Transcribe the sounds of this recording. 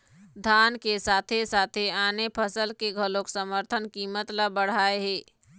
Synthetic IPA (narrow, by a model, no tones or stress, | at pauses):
d̪ʱaːnkesaːt̪ʰesaːt̪ʰeaːnepʰəsəlkeɡʱəloksəməɾt̪ʰənkimət̪ləbəɽ̤aːeɦeː